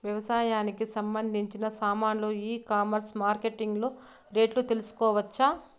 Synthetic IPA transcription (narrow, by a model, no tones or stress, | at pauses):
ʋjɐʋɐsaːjaːnikisɐmbɐnd̪ʱiɲt͡ʃinɐsaːmaːnloːiːkaːmɐɾsmaːɾke̞ʈiŋɡloː | ɾe̞ːʈlut̪elusu̥kɔːʋɐt͡ʃːaː